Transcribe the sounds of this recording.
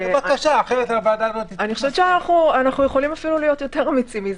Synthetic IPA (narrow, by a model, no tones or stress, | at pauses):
bakaʃaːχeʁetavaːd̪anot̪ianiχoʃɛet͡ʃeanaχnuanaχnujeχo̞limafilulijo̞t̪jo̞te̞ʁamit͡simiz